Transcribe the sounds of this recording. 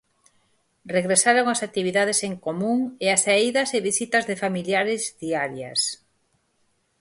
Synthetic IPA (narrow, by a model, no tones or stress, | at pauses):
reɣɾesaɾoŋasak̚t̪iβ̞iðaðeseŋkomũŋeasaiðɐseβisit̪ɐzðɪfamiljaɾɪzðiaɾjɐ̰s